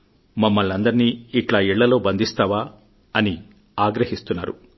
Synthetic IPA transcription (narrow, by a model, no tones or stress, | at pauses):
mɐmːɐɭɐnd̪ɐɾiniːʈlaːiɭːɐlo̞ːbɐnd̪ʱist̪aːʋaː | ɐni | aːɡɾɐhist̪unːa̰ːɾṵ